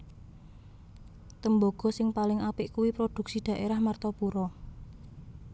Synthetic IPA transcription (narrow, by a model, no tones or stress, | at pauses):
t̪əmboɡ̥ɔ̤sɪŋpalɪŋapɪʔkuwipɾod̪̥ṳksid̥a̤ʔeɾahmart̪ɔpuɾɔ